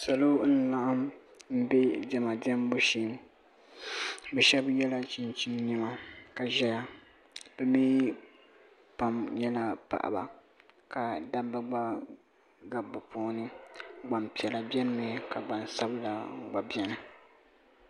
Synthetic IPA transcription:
sa˨lo˦n̩˦la˦ʔa˦mm̩˦bɛ˦dɛ˨ma˨dɛ˦m˦bo˦ʃi˦m | bɛ˨ʃɛ˦bjɛ˦la˦t͡ʃi˦nt͡ʃi˦n˦ni˦ma˨ka˨ʒɛ˦ja˦ | b̥ɛ˨mi˦ | pa˨mɲɛ˦la˨pa̰˨ʔa̰˨ba̰˨ | ka˨da˦bɨ˦ɡ͡ba˦ | ɡa˨bɨ˨pʰoː˦nɨ˦ɡ͡ba˨mpi˨ɛ˨la˨bjɛ˦nɨ˦mi˨ka˨ɡ͡ba˨n˨sa˦bɨ˦la˨˦ɡ͡ba˨bɛ˦nɨ˨

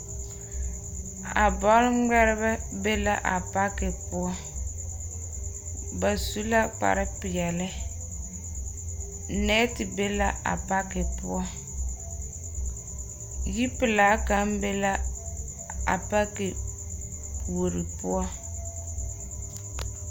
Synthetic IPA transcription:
a̰˨bɔ˦lɡ͡bɛ˦ɾɛ˦bɛ˦be˦la˦ʔa˨pa˦kɪ˨pʊ˦ɔ˦ | ba˨su˦la˦k͡pa̰˨ɾɪ˦pɪ˨ɛ˨lɪ˦ | nɛ˦tɪ˨be˦la˦ʔa̰˨pa˦kɪ˨pʊ˦ɔ˦ | ji˦pɪ˨laː˨˦ka˨˦m˦be˦la˦ | a̰˨pa˦kɪ˨ | wo˨ɾi˨pʊ˦ɔ˦

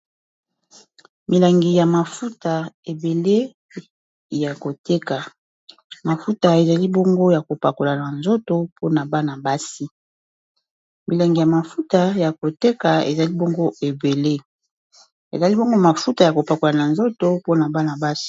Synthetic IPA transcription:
mi˨la˨ŋɡi˨ja˨ma˨fu˦ta˨e˨be˨le˦ | ja˨ko˨te˦ka˨ | ma˨fu˦ta˨e˨za˨li˦bo˦ŋɡo˦ja˨ko˨pa˨ko˨la˨na˨nzo˦to˦pʰo˦na˨ba˦na˨ba˦si˦ | mi˨la˨ŋɡi˨ja˨ma˨fu˦ta˨ja˨ko˨te˦ka˨ḛ˨za˨li˦bo˦ŋɡo˦e˨be˨le˦ | ḛ˨za˨li˦bo˦ŋɡo˦ma˨fu˦ta˨ja˨ko˨pa˨ko˨la˨na˨nzo˦to˦po˦na˨ba˦na˨ba˦si̥˦

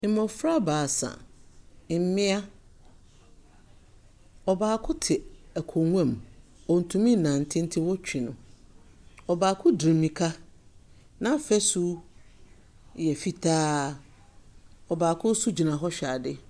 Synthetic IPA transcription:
mɔ̃˨fɾa˦baː˨sa̰˨ | m̩˦mɪ̃˦a˦ | ɔ˨baː˨kʰʊ˦tʰɪ˨æ˨kʰɔ˨ŋʷ˦ɛ̃˦˨m | ɔ˨n̩˨tʰũ˨mĩ˦˨nã˨n̩˨tʰɪ̃˦n̩˦tʰɪ˦wɔ˦t͡ɕᶣɪ˨nʊ̃˨ | ɔ˨baː˨kʰʊ˦dɾi˨mĩ˨kʰa˦ | nã˦fɛ˦su˦ | jɛ˨fi˦tʰaː˦ | ɔ˨baː˨kʰʊ˦su˦d͡ʑi˨nã˨ɦɔ˦ɕᶣa˨dɪ˦

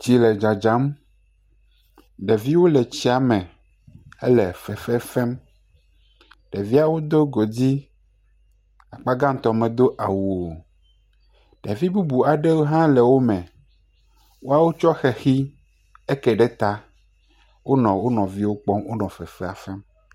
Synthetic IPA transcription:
d͡ʑi˨lɛ˨d͡ʒa˨d͡ʒa˨˦m | ɖɛ˨vi˦wo˦lɛ˨t͡ɕi˦a˨mɛ̃˨ | ḛ˦lɛ˨fɛ˨fɛ˦fɛ˦m | ɖ̥ɛ˨vi˦a˦˨wo˦d̪o˦ɡo˨d͡ʑi˦ | a˨k͡pa˦ɡã˦n˦˨t̪ɔ˨mɛ̃˨d̪o˦ʔa˨wu˨o˨ | ɖɛ˨vi˦bu˦bu˨a˨ɖɛ˦wo˦ɦã˦lɛ˨wo˦mɛ̃˨ | wo˦a˦wo˦t͡ʃɔ˦xɛ˨xi˦ | e˦kɛ˨ɖɛ˦t̪a˦ | wo˦nɔ̃˨wo˦nɔ̃˨vi˦wo˦k͡pɔ˦mwo˦nɔ̃˨fɛ˨fɛ˦a˨fɛ˦m

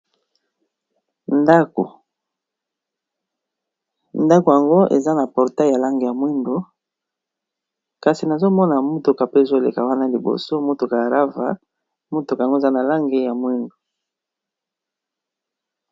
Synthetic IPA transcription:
nda˦ko̰˨ | nda˦ko˨ja˨ŋɡo˦ḛ˨za˦na˨pɔ˨ʁta˦˨ja˨la˦ŋɡe˨ja˨mwe˦ndo˨ | ka˨si˨na˨zo˦mɔ˦na˨mu˦tu˨ka˨pe˦e˨zo˦˨lḛ˨ka˨wa˦na˦li˨bo̰˨so˦mo˦tu˨ka˨ja˨ʁa˦va̰˨ | mo˦tu˨ka˨ŋɡo˦e˨za˦na˨la˦ŋɡe˦ja˨mwe˦ndo˨

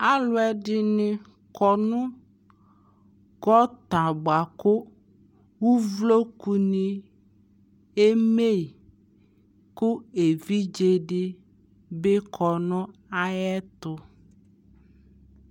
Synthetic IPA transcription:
a˦lʊ˦ɛ˦ɖɪ˦nɪ̃˨ | kɔ˨nʊ̃˦ | ɡɔ˦t̪a˨ba˨kʊ˦ | wu˦vlo˦ku˨nĩ˨ | e˦me˦˨i˨ | kʊ˦e˨vi˦d͡ʒe˦ɖɪ˦ | be˦kʰɔ˨nʊ̃˦a˨jɛ˦t̪ʊ˨

